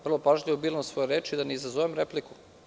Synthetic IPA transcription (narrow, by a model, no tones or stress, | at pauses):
ʋrlˠo̞paʒʎʲiʋobilˠomsʋojeɾeːt͡ʃid̪aneizazoʋemɾepliku